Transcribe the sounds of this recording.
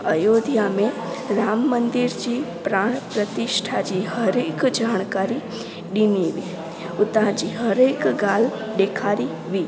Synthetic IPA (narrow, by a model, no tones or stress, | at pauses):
əjoːd̪ʱjamẽ | ɾaːmːənd̪ɪɾd͡ʒiːpɾaːɳ̃pɾət̪ɪʃʈʰad͡ʒihəɾeːkd͡ʒaːɽ̃kaːɾi | ɖiniʋi | ʊt̪ãd͡ʒiɦəɾekɡal | ɖ̪ekʰaːɾi | ʋiː